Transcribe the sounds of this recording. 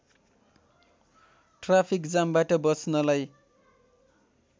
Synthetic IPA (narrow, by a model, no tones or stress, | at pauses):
ʈrapʰikd͡zambaʈʌbʌsnʌlaj